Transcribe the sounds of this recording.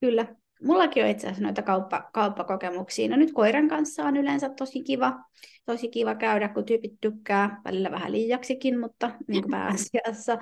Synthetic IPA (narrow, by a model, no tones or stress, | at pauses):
kylːæ | mulːɑkioit̪seæsno̰it̪ækɑupːɑ̰kɑupːɑkokemuksḭːnonyt̪koireŋkɑnsːɑːonylensæt̪t̪osikiʋɑt̪osikiʋɑkæydækkut̪yːpit̪t̪ykːæːʋæ̰lilːæʋæhæ̰liːjːɑksikinmut̪ːɑniːŋkopæ̰ːɑsiɑsːɑ